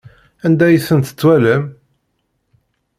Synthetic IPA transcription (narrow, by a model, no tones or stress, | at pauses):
ænd̪æjəsənt̪ə̥t͡sːwæləm